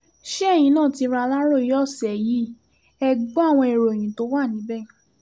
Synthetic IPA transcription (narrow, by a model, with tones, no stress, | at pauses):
ʃe˦ɛ˦˨j̃ĩ˧˦nãː˦˨ti˧˦ɾa˧la˦ɾo˦˨i˨˦jɔ˦˨sɛ˨ji˨˦ | ɛ˧ɡ͡bɔ˦a˦˨w̃ɔ̃˧e˨ɾo˨e˨j̃ĩ˨˦to˨˦wa˦˨nĩ˨˦bɛ˦˨